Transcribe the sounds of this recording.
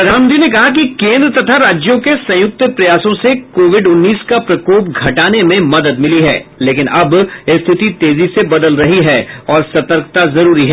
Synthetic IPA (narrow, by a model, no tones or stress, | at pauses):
ɐd̪aːmd̪inek̬ɐɦak̬ikẽːnd̪ɾət̪ɐt̪ʰaɾaːd͡ʒjõkesɐ̃jʊk̚t̪pɾɐjaːsõsekoːʋɪɖʊnːiːskapɾɐkoːpɡʱɐʈaːnemẽmɐd̪əd̪mɪliɦɛ̰ːleːkɪnʔɐbɪst̪ʰɪt̪it̪eːzisebɐd̪əlɾɐɦiɦɛːɔːɾsɐt̪əɾkt̪azɐɾuːɾiɦɛː